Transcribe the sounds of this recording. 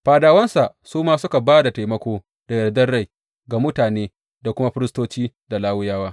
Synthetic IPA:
ɸaː˨daː˨wɐ˦nsa˨ʔ | suː˦maː˦sʊ˦ka˨baː˦da˨ta˨jmɐ˦kʷoː˦ | d̥a˨jɐ˨rdɐ˦rɽa˦˨j | ɡa˨mʊ˦taː˨neː˦ | da˨kʷʊ˦ma˦ɸɪ˦ɾɪ˦stoː˦t͡ʃiː˦ | da˨laː˦wʊ˦jaː˦waː˦

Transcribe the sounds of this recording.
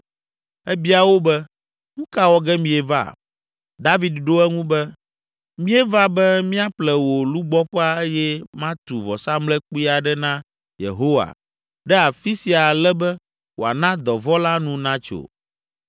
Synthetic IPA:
ɛ˦bi˦a˨wo˦bɛ˦ | ŋũ˦ka˦wɔ˦ɡɛ˦mĩ˨ɛ˨va̰˦˨ | d̪a˦vi˨d̪ɖo˦ɛ˦ŋũ˦bɛ˦ | mĩ˦ɛ˦va˦bɛ˦mĩ˦a˦plɛ˨wo˨lu˦ɡ͡bɔ˦ɸɛ˦a˦e˦jɛ˦mã˦t̪u˨vɔ˨sa˦mlɛ˦k͡pu˦i˦a˨ɖɛ˦nã˦ | jḛ˨ɦo˦wa̰˨ | ɖɛ˦a˨fi˦si˨a˨lɛ˦bɛ˦ | wo˨a̰˨nã˦d̪ɔ˨vɔ˦la˦nũ˦nã˦t͡ʃo̰˨

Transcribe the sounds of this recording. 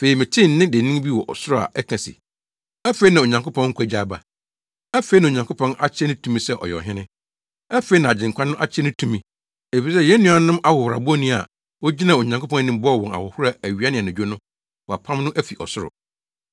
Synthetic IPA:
fe˨i˨mɪ̃˨tʰɪ̃˦n˦nɪ̃˦de˨nĩ˦ŋ˦bi˦wɔ˨ʔɔ̰˨sʊ˦ɾʊ˨a̰˨ʔɛ˦kʰã˨sḭ˨ | æ˦fe˦i˦nã˨o˨ɲã˨ŋkʊ˦pʰɔ̃˦ŋ̩˦kʰʷæ˦˨d͡ʑaː˦ba̰˨ | æ˦fe˨˦i˦nã˨o˨ɲã˨ŋkʰʊ˦pʰɔ̃˦na̰˦t͡ɕʰɛ˦nʊ̃˦tʰũ˦mĩ˦sɛ˦ʔɔ̰˨jɔ̰˨ɦɪ̃˦nɪ̃˦ | æ˦fe˨˦i˦nã˨a˨d͡ʑɪ̃˨ŋ˨kʰʷã˦nʊ̃˦ʔa̰˦t͡ɕʰɛ˦nʊ̃˦tʰũ˦mĩ˦ | e˨fi˨sɛ˦˨jɛ˦nũ˦a˨nʊ̃˦mʔa˦hʊ˨hʊ˨ɾa̰˨bʊ˦ɔ˦nĩ˦a̰˨ | wo˦d͡ʑi˦nã˨o˨ɲã˨ŋkʰo˦pʰɔ̃˦n˦nĩ˦m˦bʊ˦˨wɔ̃˨na̰˨hʊ˨hʊ˦ɾa˨æ˨ɥi˨˦a˦nɪ̃˨nʊ̃˨d͡ʑᶣo˦nʊ̃˦ | wɔ˨a˨pʰã˦mnʊ̃˦ʔæ˦fi˨ʔɔ˨sʊ˦ɾʊ̰˨

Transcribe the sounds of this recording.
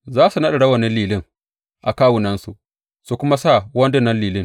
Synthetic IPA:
zaː˦su˨nɐ˦ɗa˨ɽɐ˦wɐ˨nɪ˦liː˨lɪ˦ŋ | ʔa̰˨kaː˦wʊ˨nɐ˦nsu˨ʔ | su˨kʷʊ˦ma˦sa˦˨wɐ˦ndɪ˦nːɐ˦nliː˨lɪ˦˨ŋ

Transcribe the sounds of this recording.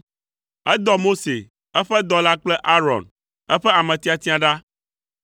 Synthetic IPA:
ɛ˦d̪ɔ˦mo˦sḛ˨ | ɛ˦ɸɛ˦d̪ɔ˨la˦k͡plɛ˦ʔa˦ɾɔ̰˨n | ɛ˦ɸɛ˦a˨mɛ̃˨t̪i˦a˨t̪i˦a˨ɖa˦

